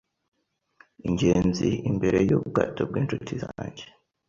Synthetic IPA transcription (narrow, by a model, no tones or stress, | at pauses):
iɲɟe̞ːnziimbe̞ɾe̞juːbɡaːtob̚ɡiːnt͡ʃutʰizaːɲɟe